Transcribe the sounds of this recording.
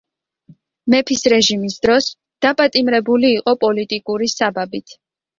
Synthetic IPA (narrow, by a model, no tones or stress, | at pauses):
mɛpʰisɾɛʒimisd̪̥ɾɔs | d̪̥apʼat̪ʼimɾɛbuliːqʼɔpʼɔlit̪ʼikʼuɾisababit̪ʰ